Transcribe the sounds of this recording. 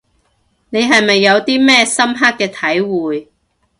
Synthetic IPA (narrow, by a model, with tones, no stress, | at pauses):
ne˨˧jɦɐ˨jmɐ˨jːɐ˨˧wt̪iː˥mɛː˥sɐ˥mɦaː˥k̚kːɛː˧t̪ʰɐ˨˥jwuː˨j